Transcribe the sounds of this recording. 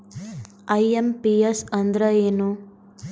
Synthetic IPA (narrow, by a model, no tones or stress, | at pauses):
ɐjempiesɐnd̪ɾɐeːnu